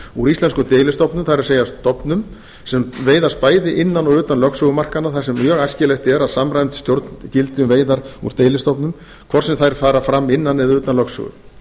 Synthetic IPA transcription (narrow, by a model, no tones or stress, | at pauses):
uɾist̪lɛnskʏmt̪eːjlɪst̪ɔpnʏmθaɾseːjast̪ɔpnʏm | sɛmveːjðaspaːjðɪʔɪnːanɔʏːt̪anlœksœɣʏmar̥kanːaθasɛmmjœɣajscɪlejxt̪ɛɾaðsamrajmt̪ɪ̥st̪jowɾt̪cɪlt̪ʏmveːjðaɾṵɾ̥t̪eːjlɪst̪ɔpnʏm | kʰv̥ɔr̥sɛmθajɾ̥faːɾafɾamːɪnːanːɛðʏːt̪anlœksʏ̰ɣʏ̰m